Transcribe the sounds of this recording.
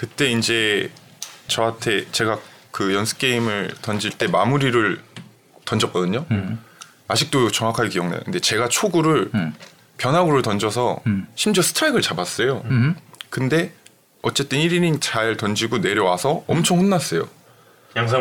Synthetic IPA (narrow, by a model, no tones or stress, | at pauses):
kɯt͈e̞ind͡ʑe̞ | t͡ɕʌantʰe̞t͡ɕe̞ɡakɯjʌnsʰɯ̥k͈e̞imɯɭtʌnd͡ʑiɭt͈e̞mamuɾiɾɯɭ | tʌnd͡ʑʌk͈̚ʌdɯɲo | aɕʰik̚t͈ot͡ɕʌŋakʰaɭkijʌŋna̰jo̰kɯnde̞t͡ɕe̞ɡat͡ɕʰoɡuɾɯɭ | pjʌnɦaɡɯɾɯɭtʌnd͡ʑʌsʰʌɕʰimd͡ʑʌsʰɯ̥tʰaiɡɯɭt͡ɕabas͈ʌjo | kɯnde̞ | ʌt͡ɕ͈e̞t͈ɯniɾinit͡ɕaɭtʌnd͡ʑiɡone̞ɾjʌwasʰʌʌmt͡ɕʰʌŋɸunːas͈ʌjo̰